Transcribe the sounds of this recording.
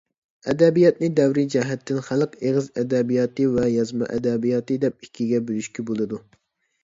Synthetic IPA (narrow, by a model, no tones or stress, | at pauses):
ɛd̪ɛbijɑt̪̚nɨd̪ɛwɾid͡ʒɛɦɛt̪ʰːɪnχælqeʁɨzɛd̪ɛbijɑːt̪ɨvɛjɑzmɑ̰ʔɛ̰d̪ɛbijɑt̪ɨd̪ɛp̚ikʲʰːiɡʲɛbylyʃkʲibolˠɨd̪u